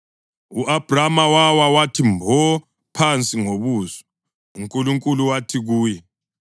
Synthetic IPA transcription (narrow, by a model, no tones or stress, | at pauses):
uʔab̥ramawawawatʰimbʱɔ | pʰant͡sʼiŋoβuːzɔ | uŋkʼuluŋkʼuluwatʰiɣuːjɛ